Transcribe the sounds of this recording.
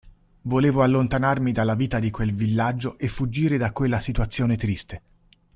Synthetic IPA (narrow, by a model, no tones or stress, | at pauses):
voleːvoalːont̪anarmid̪alːaviːt̪ad̪ikwelvilːad͡ʒːoʔefːud͡ʒːiːɾed̪akːwelːasit̪wat̪sːjoːnet̪ɾist̪e